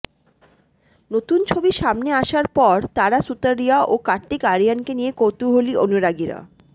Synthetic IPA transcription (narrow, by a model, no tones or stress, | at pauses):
not̪unt͡ɕʰobiʃamneaʃaɾpɔɾt̪aɾasut̪aɾːiaʔokaɾʈ̪ikaɾiankenijekot̪uɦolionuɾaɡiɾa̰